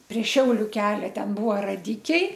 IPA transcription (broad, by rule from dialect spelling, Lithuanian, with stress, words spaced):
pʲrʲiɛ ˈʃʲɛʊlʲʊ ˈkʲæːlʲɛ ˈtʲɛn ˈbuːʋɐ rɐˈdʲɪkʲɛɪ